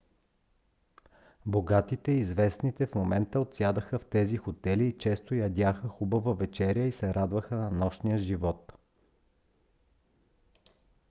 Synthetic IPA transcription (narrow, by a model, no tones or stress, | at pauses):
boɡat̪it̪ɛizvɛsnit̪ɛfmomɛnt̪əot̪sjad̪əxəft̪ɛzixot̪ɛliːt͡ʃɛst̪ojɐd̪ʲaxəxubəvəvɛt͡ʃɛɾjəisɛɾad̪vəxənɐnɔʃnijəʒivɔt̪